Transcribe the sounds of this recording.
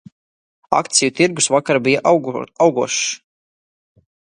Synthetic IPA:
a̰kt̪sijut̪iɾɡusvakaɾbijaʔawɡuɔʃ

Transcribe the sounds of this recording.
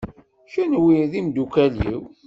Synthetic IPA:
ʃunwiðimd̪ukælḭw

